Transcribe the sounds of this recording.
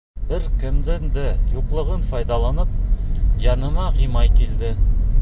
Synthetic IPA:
bɘɾkɘ̆md̪ɘnd̪ɘjuqlˠɤ̆ʁɤnfɑjd̪ɑlˠɑnɤp̚jɑnɤ̆mɑʁimɑjkild̪ɘ

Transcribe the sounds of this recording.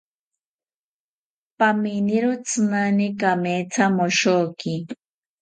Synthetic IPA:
paminiɾʊt͡sɨnanikamet͡samoʃokɪ

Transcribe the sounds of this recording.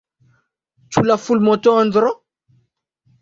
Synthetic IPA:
t͡sulafulmɔt̪oand̪ɾo

